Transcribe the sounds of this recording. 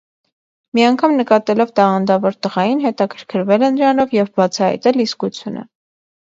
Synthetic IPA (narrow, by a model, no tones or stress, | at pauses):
miɑŋkʰɑmnəkɑt̪ɛlɔvt̪ɑʁɑnd̪ɑvɔɾt̪əʁɑjinɦɛt̪ɑkʰəɾkʰəɾvɛlɛnəɾɑnɔvjɛvbɑt͡sʰɑhɑ̰jt̪ɛliskut͡sʰjunʔə̰